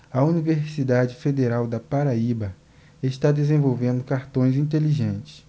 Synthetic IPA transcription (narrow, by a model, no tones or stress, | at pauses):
ɐuniveɾsid̪ad͡ʒɪfed̪eɾawd̪ɐpaɾaibɐ | eʃt̪ad̪ezẽvowvẽnd̪ʊkaɾt̪õj̃zĩt̪̬eliʒẽnt͡ʃɪ̥s